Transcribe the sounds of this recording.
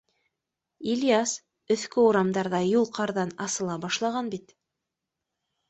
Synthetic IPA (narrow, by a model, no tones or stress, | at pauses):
ilʲjas | ɵ̆θkɘuɾɑmd̪ɑɾðɑjulˠqɑɾðɑnɑsɤ̆lˠɑbɑʃlˠɑʁɑnbit̪